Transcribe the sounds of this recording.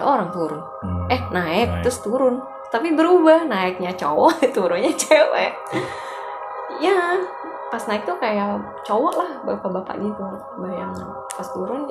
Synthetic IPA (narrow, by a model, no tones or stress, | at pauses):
ʔoɾaŋt̪uɾʊn | ɛhnaɪk̚t̪ɾəst̪uɾʊn | t̪apibəɾubahnaɪk̚ɲat͡ʃowɔʔt̪uɾʊnɲat͡ʃewɛ̰ʔ | ja | pasnaɪk̚t̪ukajaʔ | t͡ʃowɔʔlahbapabapa̰ʔɡit̪u | bajaŋɲa̰ | past̪uɾʊn